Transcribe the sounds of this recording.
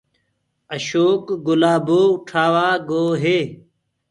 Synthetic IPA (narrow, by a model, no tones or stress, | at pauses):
əɕoːkɡʊlaːboːʈʰaːwaːɡoːɦeː